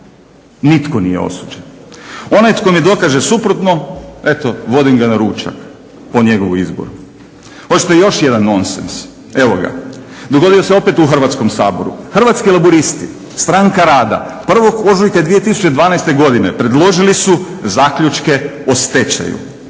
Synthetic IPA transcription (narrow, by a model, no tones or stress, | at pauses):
nit̪ko̞nḭjḛo̰sud͡ʒeno̞najt̪komid̪o̞kaʒe̞supɾot̪no̞e̞t̪o̞ʋo̞d̪imɡanaɾuːt͡ʃa̰k | po̞ɲe̞ɡo̞ʋuizbo̰ɾu | ho̞t͡ɕi̥t̪ejo̞ʃje̞d̪anːo̞nsens | e̞ʋoɡa̰d̪oɡo̞d̪ioseo̞pe̞t̪uxr̩ʋat̪sko̞msaːbo̞̰ɾṵxr̩ʋat̪skilaboɾist̪i | st̪ɾaŋkaɾaːd̪a̰pr̩ʋo̞ɡo̞zujkad̪ʋije̞t̪isu̥t͡ɕed̪ʋaːnajst̪e̞ɡo̞d̪ine̞pɾe̞d̪lˠo̞ʒilisuzaːkʎut͡ʃke̞ | ost̪et͡ɕa̰jṵ